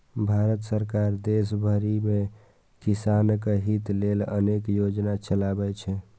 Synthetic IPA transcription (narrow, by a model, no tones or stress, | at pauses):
bʱaɾət̪səɾkaɾd̪es̬bʱəɾime | kisankeɦit̪lelə̰nekjod͡ʒnat͡ʃəlabɛt͡ʃʰɛ